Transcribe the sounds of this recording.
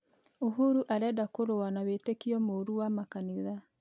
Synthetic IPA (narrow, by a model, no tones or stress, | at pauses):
oɦuɾuʔaɾɛːdakoɾowanawetekiɔmoɾuwamakaniða